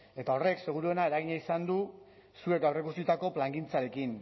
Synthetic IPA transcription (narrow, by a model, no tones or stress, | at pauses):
e̞t̪ao̞re̞kse̞ɣ̞uɾue̞nae̞ɾaɣiɲaisand̪u | sue̞k̚ɡawre̞kust̪it̪ako̞plaŋɡint͡saɾe̞kin